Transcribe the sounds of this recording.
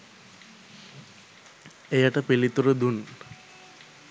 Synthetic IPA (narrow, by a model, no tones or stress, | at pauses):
ejaʈəpilit̪uɾəd̪un